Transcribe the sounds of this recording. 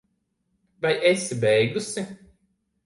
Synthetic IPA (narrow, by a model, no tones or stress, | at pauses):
vajesibɛjɡusi